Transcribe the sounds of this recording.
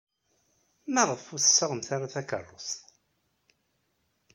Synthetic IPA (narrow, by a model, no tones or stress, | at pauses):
mæʁəfʊθə̥sːəʁəmθaɾaθækə̰rˤːʊs